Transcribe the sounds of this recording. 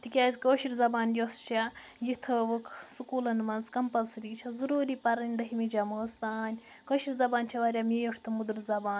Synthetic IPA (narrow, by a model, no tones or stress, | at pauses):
t̪ikʲaːzʲkoːʃiɾʲzɐbaːnjost͡ʃʰa | jit̪ʰɨʋɨkʰsukuːlɐnmɐnzkɐmpɐlsɾiːt͡ʃʰɐzuɾuːɾiːpɐɾɐnʲd̪ɐɦimid͡ʒaməːst̪aːnʲ | koːʃiɾʲzɐbaːnt͡ʃʰɐʋɐɾʲamiːjoʈʰt̪ʰɨmud̪ɨɾzɐbaːnʲ